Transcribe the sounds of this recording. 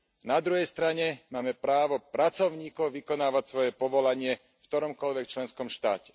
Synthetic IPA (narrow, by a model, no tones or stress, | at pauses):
nad̪ɾuɦɛjst̪ɾaɲɛmaːmɛpɾaːʋɔpɾat͡sɔʊɲiːkɔʊʋikɔnaːʋacsʋɔjɛpɔʋɔlaɲɪɛ | ft̪ɔɾɔmkɔʎʋɛkt͡ʃlɛnskɔmʃt̪a̰ːcɛ̥